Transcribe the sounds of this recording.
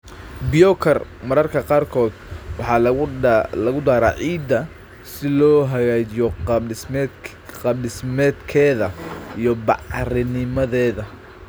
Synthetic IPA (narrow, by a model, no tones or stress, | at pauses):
bɪjɔkʰɐrmɐɾɐrkʰɐqɑːrkʰɔːd̪wɑħɑ | lɐɣʊd̪aːɾaːʕiːd̪ɐ | sɪlɔːɦɐɣaːt͡ʃɪjɔ | qɑblɪsmɛːd̪kʰɛːðɐijɔbɑʕrɪnɪmɐðɛːðɐ